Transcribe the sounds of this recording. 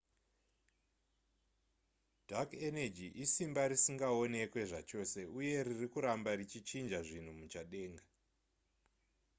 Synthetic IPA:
dʱakened͡ʒiʔisimbaɾisiŋɡao̞ne̞kwe̞ʐa̰t͡ʃo̞ːse̞uje̞ɾirikuɾambarit͡ʃit͡ʃind͡ʒaʐin̤umut͡ʃaɗe̞ːŋɡa

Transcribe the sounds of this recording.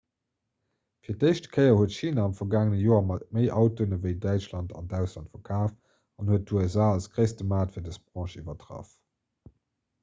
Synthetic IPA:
fiːɐtəɪʃtəkʰəɪɐhuətʃiːnaɑmfɐɡaːŋənəjoːɐmɑt̚məɪʔɑʊtonəvəɪdæɪt͡ʃlɑntɑ̰ndæʊʃlɑntfɐkʰaːf | ɑnhuət̚duɛzaːɑlskʁəɪstəmaːtfiɐdəsb̥ʁɑ̃ːʃivɐtʁɑ̰f

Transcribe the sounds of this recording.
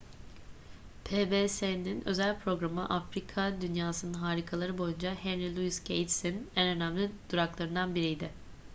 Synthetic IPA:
pʰebeseninø̞̰zælʲpʰɾo̞ɡɾamɯʔafɾikʰad̪ynjaːsɯnɯnɦaːɾikʰalˠaɾɯbo̞jund͡ʒahenɾilʲˠuiscʰḛjt̪sinænø̞næmlʲid̪̥uɾaklˠaɾɯnd̪anbiɾijd̪ɪ

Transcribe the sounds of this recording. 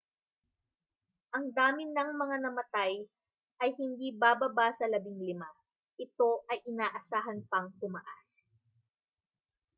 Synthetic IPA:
ʔɐŋd̪aːmɪnɐŋmɐŋanɐmɐt̪aj | ʔɐjhɪnd̪iːbaːbɐbasɐlɐbɪŋlɪma | ʔɪt̪o̞ʔɐjʔɪnaːʔɐsaːɦɐnpɐŋt̪ʊmaʔas

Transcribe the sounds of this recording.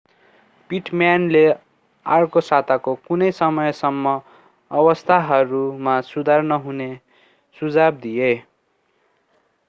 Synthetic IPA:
piʈmjanle | arkosat̪akokunʌjsʌmʌjsʌmːʌ | ʌbʌst̪ʰaɦʌɾumasud̪ʱarnʌɦune | sud͡zab̚d̪ije

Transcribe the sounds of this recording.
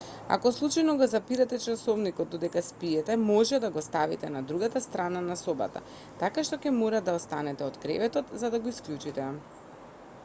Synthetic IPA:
a̰kɔslˠut͡ʃajnɔɡɔzapiɾat̪ɛt͡ʃasɔvnikɔt̪̚ːɔd̪ɛkaspiɛt̪ɛmɔʒɛd̪aɡɔst̪avit̪ɛnad̪ɾuɡat̪ast̪ɾananasɔba̰t̪a̰ | t̪akaʃt̪ɔkɛmɔɾad̪aɔst̪anɛt̪ɛɔd̪kɾɛ̰vɛt̪ɔt̪zad̪aɡoisklʲjut͡ʃit̪ɛ

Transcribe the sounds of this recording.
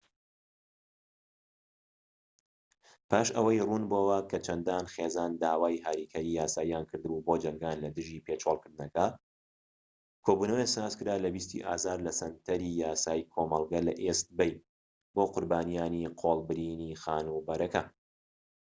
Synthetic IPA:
pʰaːʃɐ̰wɐjruːnboːwɐkʰɐt͡ʃʰɐnd̪aːnxeːzaːnd̪aːwaːjɦaɾikʰɐɾiːjaːsaːijaːnkʰɨɾd̪ɨbuboːd͡ʒɐŋɡaːnlɐd̪ɨʒiːpʰet͡ʃʰoːlˠkɨɾd̪ɨnɐkɐ | kʰobunɐwesaːzkɨɾaːlɐbist̪ḭʔa̰ːzaːɾlɐsɐnt̪ʰɐɾijaːsaːikʰoːmɐlˠɡɐlɐ̰ʔest̪̚bɛj | boːqʊɾbaːnijaːniqʰoːlˠbɨɾiniːxaːnubɐɾɐkɐ

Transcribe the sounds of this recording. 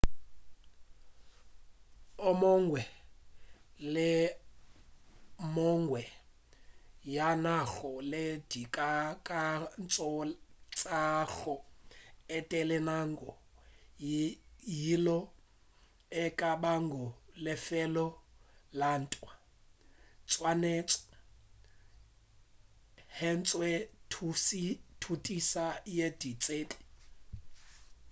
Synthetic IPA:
ɔmɔŋɡwɛ | lɛ | mɔŋɡwɛ | janaxɔled̥ikʼakʼant͡sʼɔt͡sʼaxɔ | ɛtʼɛlɛnaŋɡɔ | jilɔ | ɛkʼabaŋɡɔlɪfɛlɔlan̩tʼwa | t͡sʼwaneːt͡sʼɔ̥ | hɛnt͡sʼwɛtʰsitʰutʼisajed̥it͡sʼeːtʼi̥

